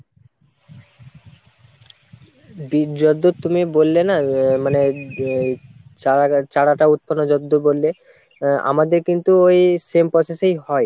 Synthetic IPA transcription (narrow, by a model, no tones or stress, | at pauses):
bid͡ʑod̪ːot̪umibolːenamane | at͡ɕaɽaʈaut̪̚pʰanod͡ʑod̪ːobolːe | a̰mad̪eɾkint̪uojsempɾɔsesejɦɔe